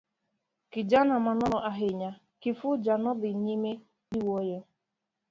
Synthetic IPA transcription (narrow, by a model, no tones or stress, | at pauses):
kɪd͡ʒanamanɔɾɔʔaɦɪɲa | kɪfʊd͡ʒanɔdɪɲime | iwojo